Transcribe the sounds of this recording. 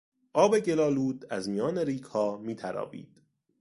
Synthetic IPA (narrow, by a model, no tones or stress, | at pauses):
ʔɒːbeɟe̞lɒːluːd̪̥æzmijɒːneɾiːkʰhɒːmiːt̪ʰæɾɒ̰ːbḭːd̪̥